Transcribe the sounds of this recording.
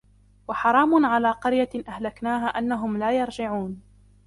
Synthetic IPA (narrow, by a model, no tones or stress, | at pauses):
wɑħɑɾˤɑːmʊnʕalaːqɑɾjaʔahlaknaːɦaːʔanːaɦʊmlaːjɑɾˤd͡ʒɪʕuːn